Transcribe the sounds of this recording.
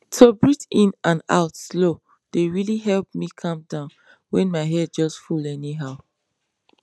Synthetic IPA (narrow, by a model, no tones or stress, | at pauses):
tʰobɹitĩnãna̰ʊtslo | d̥eɹiliɦɛlp̚mikʰɔ̃mdãʊ̃n | wɛ̃nmaɪɦɛd̚d͡ʒɔstfulɛniɦaʊ